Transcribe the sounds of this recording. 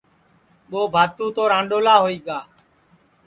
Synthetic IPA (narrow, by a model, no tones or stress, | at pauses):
ɓoːbʱaːt̪ũːt̪oːɾãːɳɖoːlaːɦoːiːɡaː